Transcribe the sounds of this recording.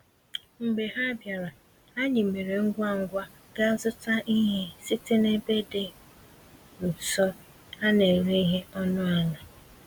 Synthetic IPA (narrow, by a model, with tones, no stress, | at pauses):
ŋ͡m̩˨ɡ͡be˨ɦa˦bja˨ɾa˨ | a˦ɲɪ˨me˨ɾe˨ŋ̩˦ɡʷa˦˨ŋ̩˦ɡʷa˦ | ɡa˦zʊ˦ta˦ʔi˦ɦe˦sɪ˦tɪ˦ne˦be˦de˨ | n̩˨sɔ˦ | a˦ne˨ɾe˦i˦ɦe˦ɔ˦nʊ˦a˦na˨